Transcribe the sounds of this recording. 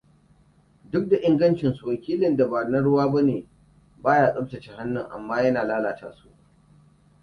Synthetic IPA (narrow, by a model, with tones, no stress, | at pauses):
dʊ˦k̚da˨ʔɪ˦ŋɡɐ˦nt͡ʃɪ˨nsu˨wɐ˨kʲiː˦lɪ˨nda˨ba˨nɐ˦ɽʊ˦waː˦ba˦neː˨ | baː˦jaː˦ɗʊ˦btɐ˨t͡ʃe˨ha˦nːʊ˦˨ŋʔa̰˨mːaː˦jɐ˦naː˨laː˦laː˨ta̰ː˦su˦˨ʔ